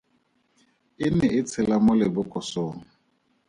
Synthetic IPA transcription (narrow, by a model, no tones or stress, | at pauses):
ɪnɛɪt͡sʰɪlamʊlɪbʊkʼɔsʊːŋ̩